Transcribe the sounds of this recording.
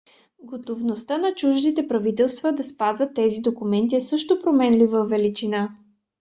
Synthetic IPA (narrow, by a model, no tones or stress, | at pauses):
ɡot̪ovnost̪anɐt͡ʃuʒnit̪ɛpɾɐvit̪ɛlˠst̪vəd̪ɐspazvət̪ːɛzid̪okumɛnt̪iɛsɤʃt̪opɾomɛnlivəvɛlit͡ʃina